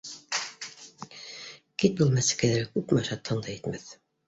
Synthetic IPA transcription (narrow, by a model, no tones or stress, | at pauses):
kit̪̚bulˠmæsɘ̥kæðæɾɘkʉpmɑʃɑt̪ʰːɤ̆nd̪ˠɤjit̪mæθ